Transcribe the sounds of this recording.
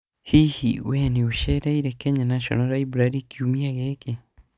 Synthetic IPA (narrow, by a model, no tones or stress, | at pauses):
hihḭweniuʃeɾeiɾekeɲanaʃo̰noɾaibuɾaɾikʰiumiaɣeːke